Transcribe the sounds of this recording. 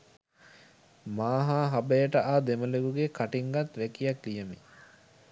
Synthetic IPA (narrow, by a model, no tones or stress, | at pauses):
maːɦaːɦabəjəʈəʔaːd̪eməleɡuɡekʰaʈiŋɡat̪ʋækijaklijəmḭ